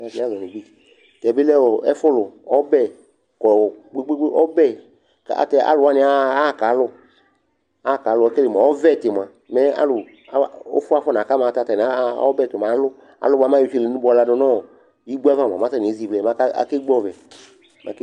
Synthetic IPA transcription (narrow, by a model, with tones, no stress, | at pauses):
a˨ti˨˦a˦zɔ˨nĩ˨ɡ͡bi˦˨ | tɛ˨bɪ˦lɛ˦˨wɔ˨ɛ̰˦fʊ˦lʊ˨ɔ˦bɛ˦ | kɔ˨ɔ˨ɡ͡be˦ɡ͡be˦ɡ͡be˦ʔɔ˦bɛ˦˨ | ka̰˨tɛ˧a̰˦lʊ˨wa˦nɪ̃˧˦aː˦˨ka˨˦lʊ˦ | a˦˨ka˨˦lʊ˦˨ɛ˦kɛ˦le˨ma˨ɔ˦vɛ˦˨tɪ˨m˨ã˨ | mɛ˦a̰˦lʊ˨ | a˦o̰˦fʊ˦a˦fɔ˦n˨a˨ka˦mã˨ta˨˧ta˨n˨a˦ɔ˦bɛ˦˨to˨m˨a˨˦lʊ˦ | a̰˨lʊ˦ba˨˦mã˦ju˦˨t͡ʃe˧le˨nũ˦bɔ˨˧la˧˨nɔ˧nɔ̃˦˨ | ji˦ɡ͡bu˦a˦va˦˨m˨ã̰˨mã˨˦ta˦n˨˦zi˨vɛ˨mã˦ka˦a̰˨ke˦ɡ͡bɔ˦˨vɛ˨ | mã̰˨˦k